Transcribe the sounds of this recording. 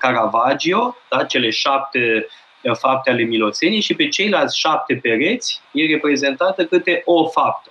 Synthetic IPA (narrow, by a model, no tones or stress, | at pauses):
kaɾavad͡ʒio̞d̪̥at͡ʃe̞le̞ʃap̚t̪e | fap̚t̪eale̞milo̞t̪se̞niʃipe̞t͡ʃe̞jlalt̪sʲʃap̚t̪e̞pe̞ɾe̞t̪sʲje̞repɾe̞ze̞nt̪at̪əkɨt̪e̞ʔofap̚t̪ə